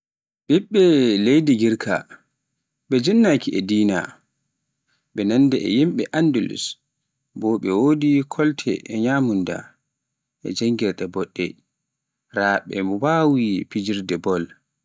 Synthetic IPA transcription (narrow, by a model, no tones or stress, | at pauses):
biɓːɛlejdiɡiɾkʰa̰ | ɓɛd͡ʒɛnːakiɛdiːna̰ | ɓɛnanːdɛɛ̰jimɓɛʔandulṵs | bɔɓɛwodikʰɔltʰɛ̰ʔɛɲaːmunda̰ | ʔɛ̰d͡ʒaŋɡɛɾɗɛbɔɗːɛ̰ | ɾaɓɛ̰mɔbawipid͡ʒiɾdɛbɔl